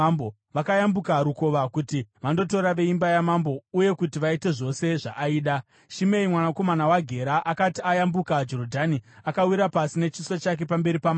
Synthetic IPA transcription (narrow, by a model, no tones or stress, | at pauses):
bo | ʋakajambukaɾuko̞ʋakutiʋando̞to̞ɾaʋe̞imbajamambo̞uje̞kutiʋaite̞ʐo̞se̞ʐaʔːiːɗa | ʃime̞imwanako̞manawaɡʱe̞ɾaʔakatiajambukad͡ʒo̞ɾodʱaniakawiɾapasine̞t͡ʃisot͡ʃak̬e̞pambe̞ɾipama